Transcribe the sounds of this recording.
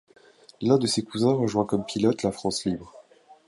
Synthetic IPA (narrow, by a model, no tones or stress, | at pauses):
lɛ̃d̪əsekuzɛ̃ʁəʒwɛ̃kɔmpʰilɔt̪lafχɑ̃slibʁ